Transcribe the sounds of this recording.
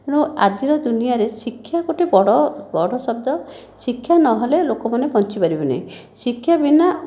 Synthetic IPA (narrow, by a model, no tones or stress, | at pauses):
piɽ̃ũad̪iɾɔd̪unijaɾesikʰːjakoʈibɔɽɔbɔɽɔsɔb̚d̪ɔ | sikʰːjanɔɦɔlelokɔmanebʱɔnt͡ʃipaɾibena̰j̃ | sikʰːjabina